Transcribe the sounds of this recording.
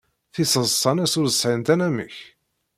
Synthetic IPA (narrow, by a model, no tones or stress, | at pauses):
θisəzˤsˤɑnæsuɾəsʕənt̪ænæmə̰ç